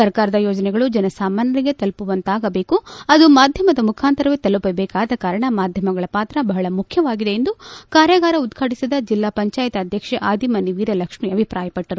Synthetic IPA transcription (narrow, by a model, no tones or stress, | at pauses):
sɐɾkaːɾɐd̪ɐjoːd͡ʒɐnɛɡɐɭud͡ʒɐnɐsaːmanːɐɾiɡe̞t̪ɐlpuʋɐnt̪aːɡɐbe̞ːkuɐd̪umaːd̪ʱjɐmɐd̪ɐmukʰaːnt̪ɐɾɐʋet̪ɐlupɐbɛːkaːd̪ɐkaːɾɐɳɐmaːd̪ʱjɐmɐɡɐɭɐpaːt̪ɾɐbɐɦɐɭɐmukʰjɐʋaːɡid̪e̞end̪ukaːɾjɐɡaːɾɐud̪ɡʰʱaʈisid̪ɐd͡ʒilːaːpɐɲt͡ʃaːjɐt̪ɐɐd̪ʱjɐkʂeʔaːd̪imɐniʋiːɾɐlɐkʂmiɐbʱipɾaːjɐpɐʈːɐɾu